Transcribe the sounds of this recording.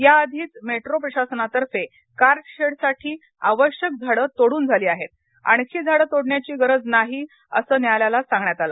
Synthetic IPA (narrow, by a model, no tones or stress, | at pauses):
jaːd̪ʱiːt͡smeʈɾopɾəɕasənat̪əɾfe | kaɾʈɕeɽsaʈʰiː | aʋəɕjək̚d͡zʱaɽət̪oɽuːnd͡zʱaliːaɦet̪̚ | a̰ɳkʰiːd͡zʱaɽəːt̪oɽɳjat͡ɕiːɡəɾəd͡znaɦiː | ə̰səːnjaljalasãŋɡɳjat̪ala̰